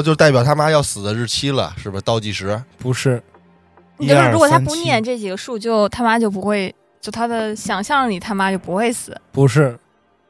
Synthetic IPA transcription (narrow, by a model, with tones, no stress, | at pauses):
t͡ɕjt̪a˥˩ɪpjɑ˨˩ʊt̪ʰa˥ma˥jɑ˥˩ʊsɹ̩˨˩d̪ə˦ɻɻ̩˥˩t͡ɕʰi˥lə̰˨ʂɻ̩˥˩bə˩t̪ɑ˥˧ʊt͡ɕi˥˩ʂɻ̩˧˥pu˧˥ʂɻ̩˥˩ | i˧˥˧ɻwɔ˨˩t̪a˥npu˥˧njɛ˥˩nʈ͡ʂɤ˥˩t͡ɕi˨˩ɡə˦ʂu˥˧t͡ɕjo˥˩ʊt̪ʰa˥ma˥t͡ɕjo˥˩ʊp̬u˧˥xwe˥˧ɪ | t͡ɕjo˥˩ʊt̪ʰa˥d̪ə˨ɕjɑ˨˩ŋɕjɑ˥˩ŋli˨˩˦t̪ʰa˥ma˥t͡ɕjo˥˩ʊpu˧˥xwe˥˩ɪsɹ̩˨˩˦pu˧˥ʂɻ̩˥˩